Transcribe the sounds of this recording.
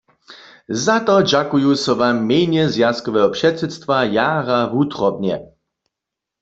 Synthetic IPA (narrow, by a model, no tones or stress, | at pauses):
zat̪ɔd͡ʒakujusɔvamːejɲɛzjaskɔʋɛɦɔpʂɛt̪sɛt̪st̪vajaːɣavut̪ʁɔbɲɛ̰